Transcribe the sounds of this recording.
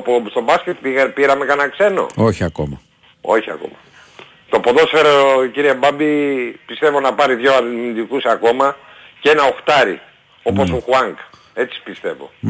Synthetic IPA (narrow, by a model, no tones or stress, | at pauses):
post̪o̞bɐsce̞t̪piɣɐpiɾɐmekɐnɐkse̞no̞̰oçiɐkomɐ | o̞çiɐ̰ko̞̰mɐ | t̪o̞poðo̞sfeɾociɾiebɐbipist̪e̞vo̞nɐpɐɾiðʝo̞aind̪ikusɐko̞mɐ | ce̞nɐo̞xt̪ɐɾḭ | o̞po̞suxuɐŋɡ | e̞t͡si̥pist̪e̞vo̰